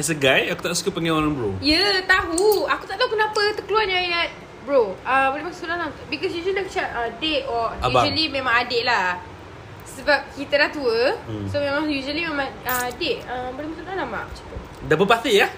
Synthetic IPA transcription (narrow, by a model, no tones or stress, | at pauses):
ɛsəɡajakut̪aʔsu̥kəpəŋɛ̃ɔɾãnbɾo̰jət̪aɦuaku̥t̪aʔt̪aukənapət̪əkəluanjailɛt̚ | bɹoəbolemaksuulahnaŋt̪bikɔsjuʒənakt͡ʃatədeʔɔaubaʒəlimẽmãŋadɪʔla | səbap̚kit̪ədaht̪uəsomemãŋjuʒəlimemãŋəadeʔəmbolemaksuulanama̰ʔt͡ʃḁkə | dabəpat̪ea